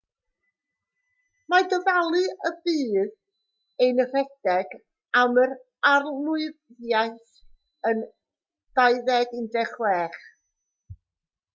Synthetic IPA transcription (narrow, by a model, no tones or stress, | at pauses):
madɔvalˠɨəbiːð | ejnərɛd̥ɛɡ | aməɾ | arnʊɨððjajθ | ən | d̥ajðɛdɪndɛχwɛːχ